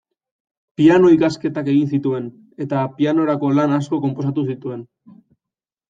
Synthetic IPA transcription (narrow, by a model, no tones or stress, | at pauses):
piano̞ikaske̞t̪ake̞ɣ̞insit̪ue̞n | e̞t̪apiano̞ɾako̞lanasko̞ko̞mpo̞s̬at̪us̬it̪ue̞n